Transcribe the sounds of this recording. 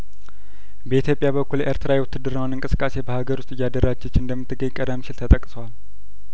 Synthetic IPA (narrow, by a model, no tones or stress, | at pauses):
bəit̪ʰjo̞pʼjaβəkʰːulʔeɾt̪ʰɨɾawewt̪ʰːɨd̪ɨɾawnɨŋkʼɨsɨ̥kʼːase̞bəhaɡəɾwʊst̪ʼɨjːad̪əɾad͡ʒɛt͡ʃːɨnd̪əmːɨt̪ʰːɨɡəɲkʼəɾamʃɪlt̪ʰət̪ʼəkʼsəwal